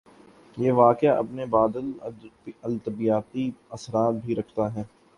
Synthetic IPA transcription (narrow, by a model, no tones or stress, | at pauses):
jeːʋaːkɪjaʔɐ̰pnebaːd̪əl | ɐlt̪ɐbijaːt̪iɐsɾaːt̪̚bʱiɾɐkʰt̪aɦɛː